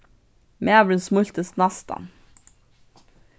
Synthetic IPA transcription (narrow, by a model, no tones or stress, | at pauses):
mʔeːɑbɽɛnsmʊlt̪əst̪nɑst̪ɑ̰n